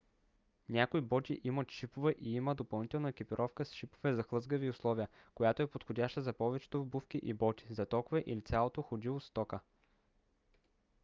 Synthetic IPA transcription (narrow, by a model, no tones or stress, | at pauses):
nʲakoibɔt̪ʲḭʔimət̪ʃipovɛʔiiməd̪opɐlˠnit̪ɛlˠnəkʲipiɾʔɔfkəsʃipovɛzɐxlˠɤzɡəviʊslˠɔviə | kojat̪oɛpot̪xodʲaʃt̪əzɐpɔvɛt͡ʃɛ̥t̪obufkʲiʔibɔt̪ʲi̥zɐt̪ɔkvɛʔilit̪sʲjalˠot̪oxod̪ilˠost̪ɔkə